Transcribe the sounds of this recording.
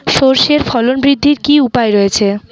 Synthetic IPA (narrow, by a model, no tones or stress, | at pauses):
ʃoɾʃeɾfʰɔlonbɾid̪ʱːiɾkiupaeɾɔet͡ɕʰe